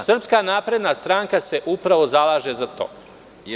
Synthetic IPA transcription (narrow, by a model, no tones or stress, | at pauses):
sr̩pskanaːpɾe̞d̪nast̪ɾaːŋkase̞ʔupɾaʋo̞zalˠaːʒezat̪o̞̰ː